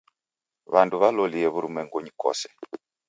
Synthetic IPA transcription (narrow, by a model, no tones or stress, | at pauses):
βanduβalɔliɛβuɾumɛŋɡɔɲikɔ̰sɛ̥